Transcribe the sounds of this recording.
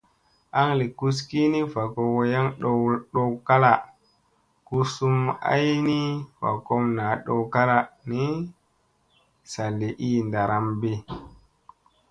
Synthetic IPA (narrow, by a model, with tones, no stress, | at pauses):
a˦ŋli˨ku˦ski˦ni˦fa˨ko˨wo˦ja˦ŋɗo˦ɗo˦wka˦la˨ | ku˦su˦ma̰˦jni˦fa̰˨ko˦mna˨ɗo˨wka˦la˨ni˦ | sa˨lːe˨ʔi˦nda˨ɾa˨mbe˦